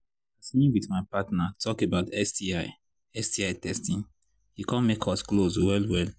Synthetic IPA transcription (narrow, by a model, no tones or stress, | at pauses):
asĩnwiθmaɪpatnatʰɔkebaʊtɛstiaɪ | ɛstiaɪtʰɛstĩn | hikɔ̃nmekʰɔskloswɛlwɛl